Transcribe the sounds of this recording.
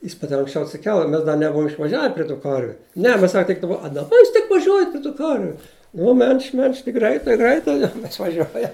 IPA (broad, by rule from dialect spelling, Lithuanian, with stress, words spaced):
jɪs ˈmɐt ɪr ɐŋksʲˈt͡ʃʲɛʊ ɐtʲsʲɪˈkʲɛlˠ ɪ ˈmʲɛs dɐ nʲɛˈbʊʋʊm ɪʃʋɐˈʒʲæːʋʲɛ pʲrʲɪ tuː ˈkɐrʲʋʲʊ ˈnʲɛ ˈmʲɛs ˈsɐk tʲɪk dɐˈbɐ ɐ dɐˈbɐ ˈjuːs tʲɪk ʋɐˈʒʲuɔjɛt pʲrʲɪ tuː ˈkɐrʲʋʲʊ ˈnʊ mʲɛlʲʃʲtʲ mʲɛlʲʃʲtʲ tʲɪk ˈɡrɐɪtɐɪ ˈɡrɐɪtɐɪ ɪʃʋɐˈʒʲuɔjɛ